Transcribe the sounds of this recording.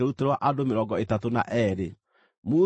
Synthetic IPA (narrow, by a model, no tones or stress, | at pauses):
eɾuteɾwaʔadomeɾɔɡɔetatona̰ʔɛɾe | mu